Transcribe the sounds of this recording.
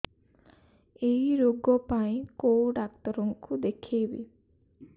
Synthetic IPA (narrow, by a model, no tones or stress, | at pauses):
eɦiɾoɡɔpaĩkowɖakt̪ɔɾɔŋkud̪ekʰibḭ